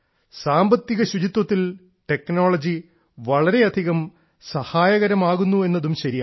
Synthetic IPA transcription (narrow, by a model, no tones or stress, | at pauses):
saːmbɐt̪ːiɣɐɕud͡ʑit̪wɐt̪ːil | ʈe̞kno̞ːɭɐd͡ʑi | ʋɐɭɐɾe̞ɐd̪ʱiɣɐm | sɐhaːjɐɣɐɾɐmaːɣunːue̞nːɐðumɕɐɾija̰